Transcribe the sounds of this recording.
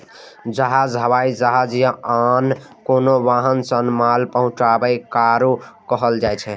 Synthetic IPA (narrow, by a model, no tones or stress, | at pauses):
d͡ʒəɦad͡ʒɦəβaid͡ʒəɦad͡ʒjəankonoʋaɦənsənmalpəɦʊ̃t͡ʃabəɪkaɾukəɦəld͡ʒajt͡ʃʰɛ